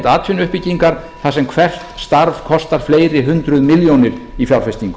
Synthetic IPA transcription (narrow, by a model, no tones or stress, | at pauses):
t̪aːt̪fɪnʏhpɪciŋkaɾ | θasɛmkʰvɛr̥t̪st̪aɾv̥kʰɔst̪aɾ̥fleːjɾɪɦʏnt̪ɾʏðmɪljownɪɾifjawlfɛst̪iŋk